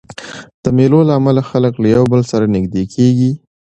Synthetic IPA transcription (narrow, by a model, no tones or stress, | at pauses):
d̪̥əmelolaːmalaxaləklajawbəlsaɾanɪɡd̪ekʰeɡi